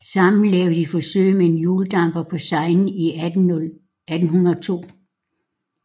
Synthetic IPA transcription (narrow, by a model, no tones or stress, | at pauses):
sɑ̈mn̩lɛːʊd̥ifɒ̽sø̰ɪ̰mee̝njuːld̥ɑ̈m̰b̥ɐpʰɒ̽sɑ̈ɪnn̩i | æd̥n̩ɦunɐt͡sʰo̝̰ː